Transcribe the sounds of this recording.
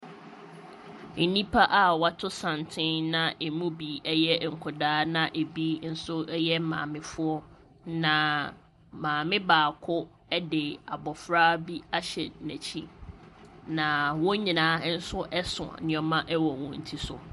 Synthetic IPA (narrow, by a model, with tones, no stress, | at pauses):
nĩ˦pʰa˦ʔa˨wa˦tʰʊ˦sã˨n˨tʰɪ̃˦nnã˦ʔe˨mũ˦bi˨ɛ˦jɛ˦˨ŋ̩˨kʰʊ˨daː˦nã˦ʔe˨bi˦n̩˦sʊ˦ɛ˦jɛ˦mã̰ː˨mɪ̃˦fʊ˦ɔ˦ | nã˨ | mãː˨mɪ̃˦baː˨kʰʊ˦ | ɛ˦dɪ˨a˨bɔ˨fɾaː˦bi˦a˦ɕɛ˨næ̃˨t͡ɕʰi˦ | nã˨wɔ̃˦ɲĩ˨nãː˦n̩˦sʊ˦ʔɛ˦sʊ̰̃˨a̰˨nɪ̃˨ɔ˦mã˦ʔɛ˦wɔ˨wɔ̃˨n̩˨tʰi˦sʊ̰˨